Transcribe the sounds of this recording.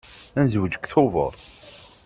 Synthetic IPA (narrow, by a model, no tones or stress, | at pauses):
ænzəwəd͡ʒəkθovə̰ɾˤ